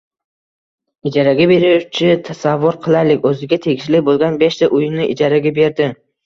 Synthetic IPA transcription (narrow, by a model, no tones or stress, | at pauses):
ɪd͡ʒaɾaɡʲabe̞ɾɪʊt͡ʃʰɪt̪ʰasavːʊɾqʰɨlˠalɪkʲɵzɪɡʲat̪ʰe̞ɡʲɪʃlɪbolˠɡʲanbeʃt̪aʔʊjɪnɪʔɪd͡ʒaɾaɡʲabe̞ɾd̪ɪ